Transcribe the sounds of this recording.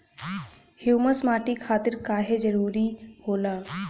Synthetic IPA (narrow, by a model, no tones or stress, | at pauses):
hjuːməsmaːʈikʰaːt̪ɪɾkaːɦed͡ʒəɾuːɾihoːlaː